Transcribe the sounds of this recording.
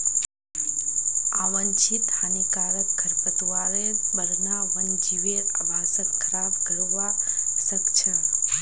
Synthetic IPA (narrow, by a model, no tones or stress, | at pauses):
aːʋɐnt͡ʃʰit̪hanikaːɾəkkʰːɐɾpət̪uʋaːʋeːbɐɾnaːʋɐnd͡ʒiʋeːɾɐ̰bʱaːsɐkkʰːɐɾaːbɡɐɭoʋaːsɐkt͡ʃʰɐ̃